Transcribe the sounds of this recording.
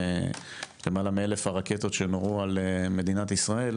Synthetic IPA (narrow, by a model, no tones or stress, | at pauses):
lemaːlamielefhaʁaket̪o̞t̪ʃenoʁualeme̞d̪inat̪isʁae̞l